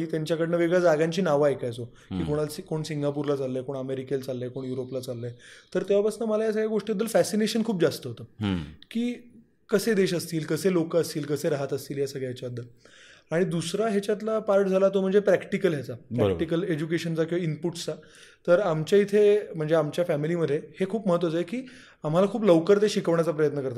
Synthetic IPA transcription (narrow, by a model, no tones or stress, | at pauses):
iːt̪jaɲt͡ɕjakəɽnəʋeɡɭjad͡zaɡãɲt͡ɕiːnaʋaekajt͡so | kiːkoɽ̃alkoɳsiŋɡapuɾlat͡salːəjkoɳəmeɾikelt͡salːəjkoɳjuɾoplat͡salːəjt̪əɾt̪eʋapəsnəməlajas̬aɡɭjaɡoʂʈiəd̪ːəlfæsineɕənkʰuːp̚d͡zast̪əɦot̪əkiː | kəsed̪eɕəst̪iːlkəselokəəst̪iːlkəseɾaɦət̪əst̪iːljasəɡɭjaɦet͡ɕad̪ʱːə | aɽ̃id̪usɾaɦet͡ɕat̪̬lapaɾʈ̚d͡zʱalat̪om̤əɳd͡zepɾækʈikəlɦjat͡sapbɾə̰kʈikəled͡ʑukeɕənt͡sakiinpuʈt͡sa | t̪əɾamt͡ɕjait̪ʰem̤əɳd͡zeamt͡ɕjafæmiliməd̪ʱːehekʰuːpməɦət̪ʋət͡saekiː | am̤alakʰuːpləʋkəɾt̪eɕikəʋɳjat͡sapɾəjət̪nəkəɾt̪a